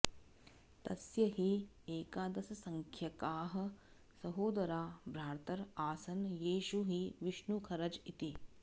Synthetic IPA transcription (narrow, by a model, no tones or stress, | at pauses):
t̪ɐsjɐɦi | eːkaːd̪ɐsɐsɐŋkʰjɐkaːɦɐ̆ | sɐɦoːd̪ɐɾaːbɾaːɾt̪ɐɾaːsɐnjiːʃuɦiʋiʃɳukʰɐɾɐd͡ʒit̪i